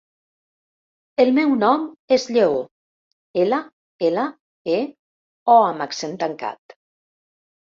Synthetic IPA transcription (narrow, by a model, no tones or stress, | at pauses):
elmɛwnɔmezʎeo | ela | ela | e | ɔamaksent̪aŋka̰t̪